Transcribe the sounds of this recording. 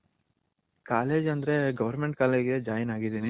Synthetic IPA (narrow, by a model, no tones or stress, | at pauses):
kaːleːd͡ʒɐnd̪ɐɾe̞ɡɐʋɐɾmeɳʈkaːleːd͡ʒɡed͡ʒaːjɐnaːɡid̪ini